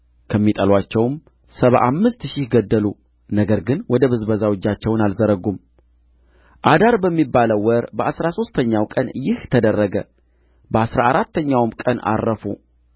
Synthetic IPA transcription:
kʰəmːit̪ʼəlwat͡ʃːɛwm | səβa̰ʔamːɨst̪ʃɪhɡəd̪ːəlu | nəɡəɾɡɨnwɔd̪əβɨzbəzawɔd͡ʒːat͡ʃːɛwnalzəɾəɡum | ʔad̪aɾbəmːibːaləwwːɔɾbəʔasɾaso̞st̪ʰəɲːawkʼənjɪht̪ʰəd̪ərːəɡə̰ | bəasɾaːɾat̪ʰːəɲːawmkʼəna̰rːəfṵ

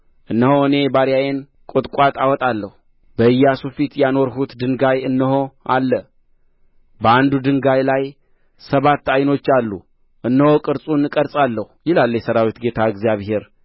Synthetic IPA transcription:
ʔɨnːəhoɨne̞baɾjajen | kʼot̪ʼkʷʼat̪ʼawɔt̪ʼalːəhu | bəɨjːasufit̪jano̞ɾɦut̪d̪ɨŋɡajɨnːəhoalːə | bəand̪ud̪ɨŋɡajlaj | səβat̪ːajno̞t͡ʃːalːu | ʔɨnːəho̞kʼɨɾsʼunɨkʼəɾsʼalːəhujɪlalːəjɛsəɾawit̪ɡe̞t̪ʰaɨɡzjaβhe̞ɾ

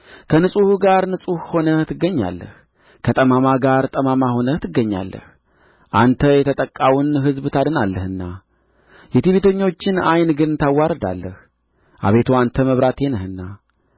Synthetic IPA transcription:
kʰənɨsʼuhuɡaɾnɨsʼuhho̞nəht̪ʰɨɡːəɲːa̰lːə̰h | kʰət̪ʼəmamaɡaɾt̪ʼəmamaho̞nət̪ʰɨɡːəɲːa̰lːə̰h | ʔant̪ʰəjɛt̪ʰət̪ʼəkʼːawunɦɨzbt̪ʰad̪ɨnalːəhɨnːa | jɛt̪iβet̪ʰəɲːo̞t͡ʃːɪnajnɡɨnt̪ʰawːaɾəd̪a̰lːəh | ʔa̰βe̞t̪ʰoant̪ʰəməβɾat̪jenəhɨnːa

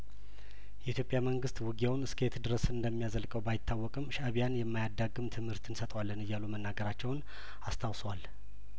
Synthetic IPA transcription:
jɛʔit̪ʰjo̞pʼjaməŋɡɨst̪wɨɡiawnɨskʰet̪d̪ɨɾəsɨnd̪əmːijazəlkʼəwbajɪt̪ʰːawːɔkʼɨmːɨʃaβijanjɛmːajad̪ːaɡːɨmt̪ʰɨmhɨɾt̪ʰɨnsət̪ʼwalːənɨjːalumənːaɡəɾat͡ʃːɛwn | ast̪ʰawsəwal

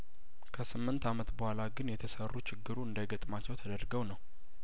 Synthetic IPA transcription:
kʰəsɨmːɨnt̪amət̪bəhʷalaɡɨnjɛt̪ʰəsərːut͡ʃʰɪɡːɨɾuɨnd̪əjɡət̪ʼmat͡ʃːɛwt̪ʰəd̪əɾɡəwnəw

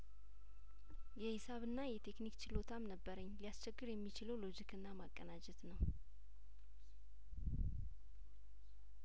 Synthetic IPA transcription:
jɛhɪsaβɨnːajɛt̪ʰe̞knikt͡ʃʰɪlo̞t̪ʰamnəbːəɾəɲːlijast͡ʃʰɛɡːɨɾjɛmːit͡ʃɪləwlo̞d͡ʒikʰɨnːamakʼːənad͡ʒɛt̪nəw

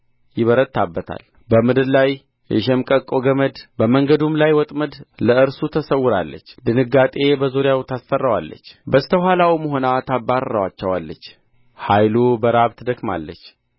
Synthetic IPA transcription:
jɪβəɾət̪ʰːabːət̪ʰa̰l | bəmɨd̪ɨllaj | jɛ̰ʃɛmkʼəkʼoɡəməd̪bəməŋɡəd̪umlajwɔt̪ʼməd̪ləɨɾsut̪ʰəsəwːʊɾa̰lːə̰t͡ʃːd̪ɨnɨɡːat̪ʼe̞bəzuɾjawt̪ʰasfərːawa̰lːə̰t͡ʃːbəst̪ʰəɦalawməɦo̞nat̪ʰabːaɾːəwat͡ʃːɛwalːət͡ʃː | hajlubəɾaβt̪ʰd̪əkma̰lːə̰t͡ʃː

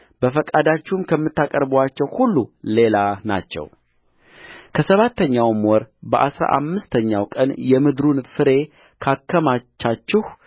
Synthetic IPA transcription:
bəfəkʼad̪at͡ʃːuhmkʰəmːɨt̪ːakʼəɾbəwat͡ʃːɛwhulːule̞lana̰t͡ʃːɛ̰w | kʰəsəβat̪ʰːəɲːawmwɔɾbəʔasɾa̰ʔa̰mːɨst̪ʰəɲːawkʼənjɛmɨd̪ɾunfɨɾe̞ | kʰakʰːəmat͡ʃːat͡ʃːɪh

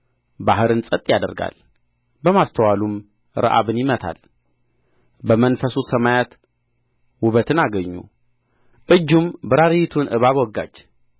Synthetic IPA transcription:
baɦɨɾɨnsʼət̪ʼjad̪ə̰ɾɡa̰l | bəmast̪ʰəwalum | ɾə̰ʔa̰βɨnjɪmət̪ʰa̰l | bəmənfəsusəmajat̪ | wʊβət̪ʰɨnaɡəɲːṵ | ʔɨd͡ʒːumbɨɾaɾijt̪ʰunʔɨ̰βaβwɔɡːa̰t͡ʃː

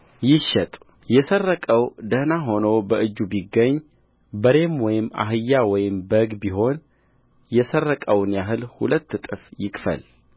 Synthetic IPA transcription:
jɪʃɛt̪ʼ | jɛsərːəkʼəwd̪əhnaɦo̞nobəɨd͡ʒːubiɡːəɲː | bəɾe̞mwɔjɪmːa̰ɦɨjːawɔjɪmbəɡbiɦo̞n | jɛsərːəkʼəwnjaɦɨlhṵlət̪ːt̪ʼɨfjɪkʼfə̰l

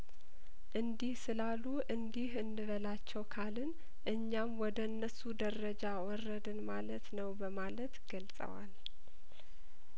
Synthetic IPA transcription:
ʔɨnd̪ihsɨlalːuʔɨnd̪ihɨnːɨβəlat͡ʃːɛwkʰalɨn | ʔɨɲːamwɔd̪əɨnːəsud̪ərəd͡ʒawɔrːəd̪ɨnmalət̪nəwbəmalət̪ɡəlsʼə̰wa̰l

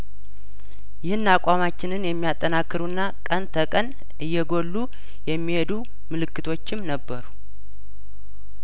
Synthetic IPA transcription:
jɪhɨnːakʼamat͡ʃːɪnɨnjɛmːijat̪ʼːənakːɨɾunːakʼənt̪ʰəkʼən | ɨjːɛɡo̞lːu | jɛmːihe̞d̪u | mɨlɨkːɨt̪ʰo̞t͡ʃːɪmnəbːəɾu

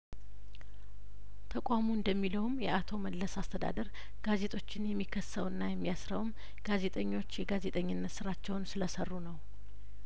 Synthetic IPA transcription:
t̪ʰəkʷʼamuɨnd̪əmːiləwmjɛat̪ʰo̞məlləsast̪ʰəd̪a̰d̪əɾ | ɡ̥aze̞t̪ʼo̞t͡ʃːɪnjɛmːikʰːəsːəwɨnːajɛmːijasɾəwm | ɡ̥aze̞t̪ʼəɲːo̞t͡ʃːjɛɡaze̞t̪ʼəɲːɪnːət̪sɨɾat͡ʃːɛwnsɨləsərːunəw

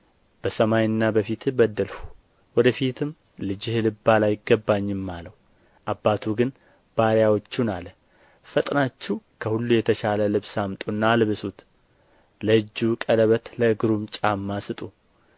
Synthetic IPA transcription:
b̥əsəmajɨnːabəfit̪ʰɨbəd̪ːəlfu̥ | wɔd̪əfit̪ʰɨm | lɨd͡ʒɪhlɨbːalajɪɡːəbːaɲːɪmːaləwu | ʔabːat̪ʰuɡɨn | b̥aɾjawo̞t͡ʃːunalə | fət̪ʼnat͡ʃːɛwkʰəhulːujɛt̪ʰəʃaləlɨβsamt̪ʼunːaːlɨβɨsut̪ | ləɨd͡ʒːukʼələβət̪ləɡɨɾumt͡ʃʼamːasɨt̪ʼu

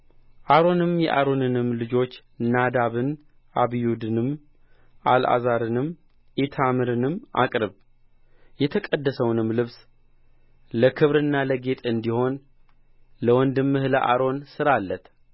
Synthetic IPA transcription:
ʔaɾo̞nɨmjɛ̰ʔaɾo̞nɨnɨmːlɨd͡ʒo̞t͡ʃː | nad̪aβɨn | ʔaβijud̪ɨnɨm | ʔalʔa̰zaɾɨnɨm | ʔet̪ʰamɨɾɨnɨmʔa̰kʼɾɨβ | jɛt̪ʰəkʼəd̪ːəsəwnɨmlɨβs | ləkʰɨβɾɨnːaləɡe̞t̪ʼɨnd̪iho̞n | ləwɔnd̪ɨmːɨhləʔa̰ɾo̞nsɨɾalːət̪ʰ

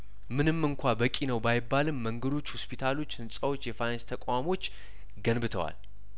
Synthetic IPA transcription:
mɨnɨmːɨŋkʷʰabəkʼinəwbajɪbːalɨmːəŋɡəd̪o̞t͡ʃːhuspʰit̪ʰalo̞t͡ʃːhɨnsʼəwo̞t͡ʃːjɛfajnanst̪ʰəkʷʼamo̞t͡ʃː | ɡənbɨt̪ʰəwa̰l

